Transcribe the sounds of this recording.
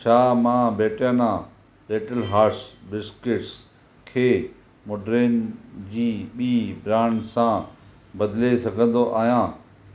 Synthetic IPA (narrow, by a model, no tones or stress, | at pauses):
t͡ɕʰaːmãːbeːʈjãnãː | beːʈəlɦaːɾsbɪskɪʈs | kʰeː | moːɖɾeːnd͡ʑiːɓiːbɾãːɳɖsã | bɐd̪lesɐɡʱə̃nd̪oʔaːɦijãː